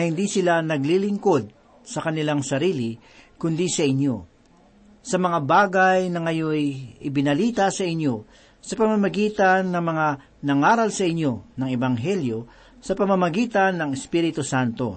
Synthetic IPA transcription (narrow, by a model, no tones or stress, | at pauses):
hɪnd̪isɪlanɐɡlilɪŋko̞d̪̚ | sɐkɐnɪlaŋsɐɾiːlɪ | kʊnd̪isɐʔɪɲo̞ | sɐmɐŋabaːɡajnɐŋɐjojʔɪbɪnɐliːt̪ɐsɐʔɪɲjo̞ | sɐpɐmɐmɐɡiːt̪ɐnːɐŋmɐŋa | nɐŋaːɾɐlsɐʔɪɲːo̞nɐŋɛbɐŋɦɛljo̞ | sɐpɐmɐmɐɡiːt̪ɐnːɐŋɛspiɾɪt̪usant̪o̞̰